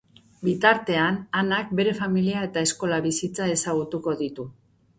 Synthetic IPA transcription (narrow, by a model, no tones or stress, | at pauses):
bit̪aɾt̪e̞ananak̚be̞ɾe̞familiae̞t̪ae̞sko̞laβisit͡sae̞saɣ̞ut̪uko̞ðit̪u